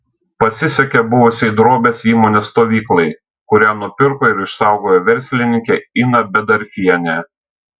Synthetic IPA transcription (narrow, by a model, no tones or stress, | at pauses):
pɐsʲɪsʲɛkʲɛbʊʋʊsʲɪd̪ɾoːbʲeːsiːmoːnʲeːst̪oːʋʲiːklˠɐɪ | kʊɾʲiɛnʊpʲɪɾkoɪɾɪʃsɑˑʊɡoːjoːʋʲɛɾʲˑsʲlʲɪnʲɪŋʲkʲeinɐbʲɛd̪ɐɾʲfʲiɛnʲɛ